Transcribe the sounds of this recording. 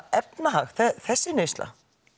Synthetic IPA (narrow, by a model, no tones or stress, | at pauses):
ɛpnaɦaxθθɛsːɪnœjst̪la̰